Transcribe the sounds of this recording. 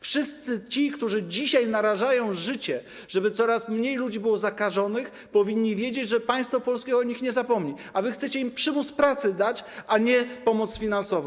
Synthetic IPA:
fʂɘst̪sɘt͡ɕikt̪uʐɘd͡ʑiɕajnaɾaʐajɔ̃w̃ʐɘt͡ɕɛ | ʐ̥ɛbɘt̪sɔɾasmɲejlud͡ʑibɘwɔzakaʐɔnɘx | pɔvʲiɲːivʲjed͡ʑed͡ʑʐɛpaj̃st̪fɔpɔlskʲɛɔɲixɲɛzapɔmɲiavɘxt̪sɛt͡ɕɛimpʂɘmut̪spɾat̪sɘd̪at͡ɕʔaɲɛpɔmɔt̪sfʲinansɔvɔ̃w̃

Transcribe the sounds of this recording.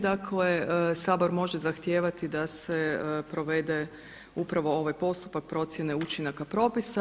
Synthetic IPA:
d̪akʰlesaːbo̞ɾmo̞ʒe̞zaxt̪jeːʋat̪id̪ase̞pɾo̞ʋe̞d̪e̞ | upɾaʋo̞o̞ʋajpo̞st̪u̥pak̚pɾo̞t̪sje̞neut͡ʃinakapɾo̞ːpisa

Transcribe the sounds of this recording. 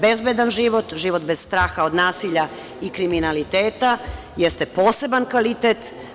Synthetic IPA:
bezbed̪anʒiːʋo̞t̪ʒiːʋo̞t̪bezst̪ɾaːxao̞d̪naːsiʎa | ikɾiminalit̪eːt̪a | jest̪e̞po̞ːse̞bankʋalit̪et̪

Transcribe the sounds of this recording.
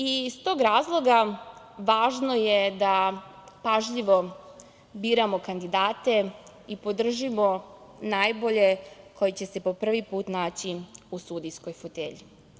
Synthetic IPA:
ist̪o̞ːɡɾaːzlˠo̞ɡa | ʋaːʒno̞jed̪a | paʒʎiʋo̞ | biːɾamo̞kand̪id̪aːt̪e̞ | ipo̞d̪r̩ʒimo̞naːjbo̞ʎe̞kʰo̞jit͡ɕe̞se̞po̞pr̩ʋipuːt̪naːt͡ɕiusud̪isko̞jfot̪ḛʎi

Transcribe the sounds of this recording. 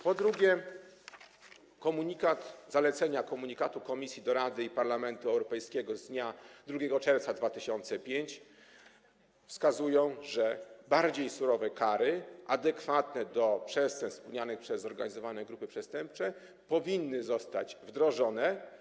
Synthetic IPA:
pɔd̪ɾuɡʲjɛ | kɔmuɲikat̪zalɛt̪sɛɲakɔmuɲikat̪ukɔmʲisʲjid̪ɔɾad̪ɘipaɾlamɛnt̪uɛwɾɔpɛjskʲɛɡɔzd̪ɲad̪ɾuɡʲɛɡɔt͡ʂɛɾft̪sad̪vat̪ɘɕɔnt̪sɛpʲjeɲt͡ɕ | fskazujɔ̃w̃ʐɛbaɾd͡ʑejsuɾɔvɛkaɾɘʔad̪ɛkfat̪nɛd̪ɔpʂɛst̪ɛnt̪spuɲanɘxpʂɛzːɔɾɡaɲizɔvanɛɡɾupɘpʂɛst̪ɛmp̚t͡ʂɛ | pɔvʲinːɘzɔst̪a̰d͡ʑvd̪ɾɔʐɔnɛ

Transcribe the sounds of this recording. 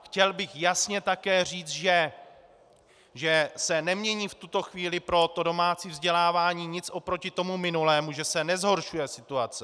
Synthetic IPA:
xcɛlbɪxjasɲɛt̪akɛːr̝iːt͡s̪ʒɛ | ʒɛsɛnɛmɲɛɲiːft̪ut̪o̞xviːlɪpɾo̞t̪o̞do̞maːt͡siːvzɟɛlaːvaːɲiːɲɪt͡sʔo̞pɾo̞cɪt̪o̞mumɪnulɛːmuʒɛsɛnɛzɦo̞ɾʃujɛsɪt̪uat͡sɪ

